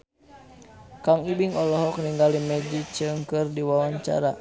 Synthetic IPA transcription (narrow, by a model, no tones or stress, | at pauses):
kaŋibiŋɔlɔɦɔkniŋɡalimɛd͡ʒit͡ʃɨŋkɨrdiwawaɲt͡ʃa̰ɾa̰